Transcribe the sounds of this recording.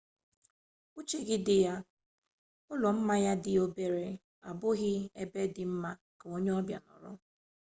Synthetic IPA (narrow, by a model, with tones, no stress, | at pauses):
u˦t͡ʃe˦ɡɪ˦dɪ˨ja˦ | ʊ˦lɔ˨m̩˦ma˦ja˦dɪ˨o˦be˦ɾe˨ | a̰˨bʊ˦ɣɪ˦e˦be˦dɪ˨m̩˦ma˦ | ka˨o˦ɲe˦ɔ˦bja̰˨nɔ̰˨ɾʊ̰˦